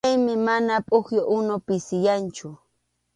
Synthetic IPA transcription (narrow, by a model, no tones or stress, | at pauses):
ajmɪmanapʼʊxjoʔʊnopɪsɪjant͡ʃʊ